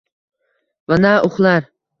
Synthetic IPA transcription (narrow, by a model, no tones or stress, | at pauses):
vanaʔʊχlˠaɾ